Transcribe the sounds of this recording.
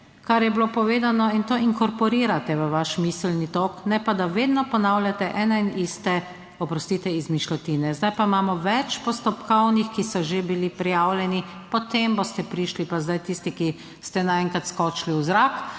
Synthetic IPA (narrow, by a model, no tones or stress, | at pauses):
kaɾjɛbilopɔʋeːd̪anɔint̪oːiŋkɔɾpɔɾiːɾat̪ɛʋəʋaʃmisəlnit̪oːknɛpad̪aʋeːd̪nɔpɔnawlʲjat̪ɛʔɛnainist̪ɛ | ɔpɾɔst̪iːt̪ɛizmiʃlɔt̪iːnɛzd̪ajpaimaːmɔʋɛt͡ʃpɔst̪ɔpkɔwnixkisɔʒebilipɾijaːwlʲjɛni | pɔt̪embost̪ɛpɾiːʃlipazd̪ajt̪ist̪iki | st̪ɛnaɛŋkat̪skɔːt͡ʃliwzɾak